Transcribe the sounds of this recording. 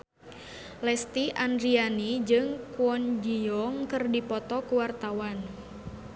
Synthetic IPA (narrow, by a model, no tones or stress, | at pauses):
lɛst̪iʔandɾianid͡ʒɨŋkuɔnd͡ʒiɔŋkɨrdipɔt̪ɔkuwart̪awan